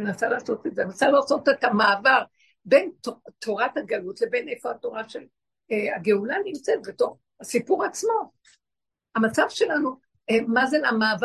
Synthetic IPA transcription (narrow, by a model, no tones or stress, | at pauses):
nasalaːso̞tetzenasalaːsotetamaːvaʁ | be̞ntotʰo̞ʁathaɡalutlebe̞nefo̞ato̞ʁaʃel | ea̰ɡeulanimt͡setbeto̞χ | asipuʁaːt͡smo̞ | amat͡savʃe̞lanu | emazeamaːv